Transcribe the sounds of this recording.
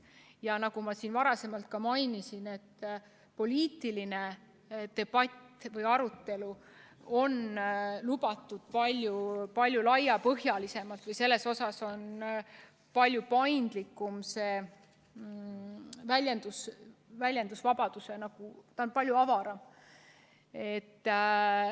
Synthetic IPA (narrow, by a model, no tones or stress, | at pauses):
jɑnɑɡ̥umɑsiːnvɑɾɑse̞mɑlt̪̚kɑmɑjnisine̞t̪ː | po̞lʲiːt̪iline | t̪e̞b̥ɑtʲːvɤjɑɾut̪ːe̞lu | o̞nlubɑt̪ːˑud̪̥pɑlʲjupɑlʲjulɑjɑpɤɦjɑlise̞mɑlt̪vɤjse̞lːe̞so̞sɑso̞n | pɑlʲjupɑjnd̪̥likːˑumse̞ː | vælʲjend̪usvælʲjend̪usvɑbɑd̪̥use̞nɑɡ̥ut̪ɑonpɑlʲjuɑvɑɾɑm | e̞t̪ː